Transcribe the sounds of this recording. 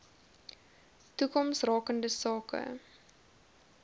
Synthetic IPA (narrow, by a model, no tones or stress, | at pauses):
tukɔmsrɑːkəndəsɑːkə̰